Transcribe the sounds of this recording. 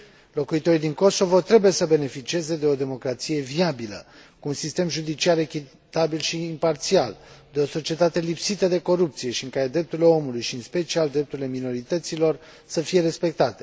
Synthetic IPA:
lo̞kuit̪o̞ɾid̪iŋko̞so̞vo̞t̪ɾe̞buje̞səbe̞ne̞fit͡ʃie̞ze̞d̪e̞o̞d̪e̞mo̞kɾat̪sije̞viabilə̰ | kuːnsist̪e̞mʒud̪it͡ʃiaɾe̞kʲi | t̪abilʃiːmpart̪siald̪e̞o̞so̞t͡ʃie̞t̪at̪e̞lipsit̪əd̪e̞ko̞ɾup̚t̪sije̞ʃiɨŋkaɾe̞d̪ɾe̞p̚t̪uɾile̞o̞mulujʃiɨnspe̞t͡ʃiald̪ɾe̞p̚t̪uɾile̞mino̞ɾit̪ət̪silo̞r | səfije̞ɾe̞spe̞k̚t̪at̪e̞

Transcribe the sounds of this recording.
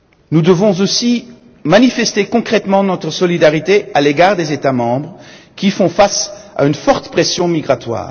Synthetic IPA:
nud̪əvɔ̃zosi | manifɛst̪ekɔ̃kχɛt̪mɑ̃nɔt̪χəsɔlid̪aʁit̪ealeɡaːʁd̪ezet̪amɑ̃bʁə | kʲifɔ̃fasa̰ynfɔʁt̪pχɛsjɔ̃miɡʁat̪wa̰ːʁ

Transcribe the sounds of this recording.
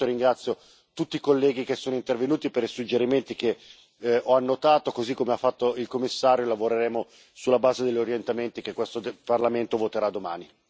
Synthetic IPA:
oɾiŋɡɾat̪sjo | t̪ut̪ːikolːɛːɡikesːoːnoint̪ervenuːt̪ipeɾisud͡ʒeɾiment̪ike | ɔanːot̪aːt̪okozikːomeafːat̪ːoilkomːisːaːɾjolavoɾeɾɛːmo | sulːabaːzed̪eʎːoɾjent̪ament̪ikekːwest̪oparlament̪ovot̪eɾad̪ːoma̰ːni

